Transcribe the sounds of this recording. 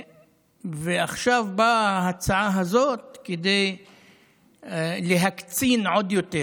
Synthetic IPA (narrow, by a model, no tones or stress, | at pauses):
veaχʃavbahat͡saʕaɦazot̪̚ked̪ej | leɦakt͡sinʕod̪jo̞t̪e